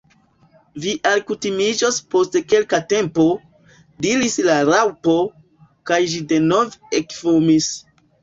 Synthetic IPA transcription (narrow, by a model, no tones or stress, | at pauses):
viʔalkutimid͡ʒospo̞stke̞lkate̞mpo̞ | diɾislaɾawpo̞ | kajʒide̞no̞vekfumis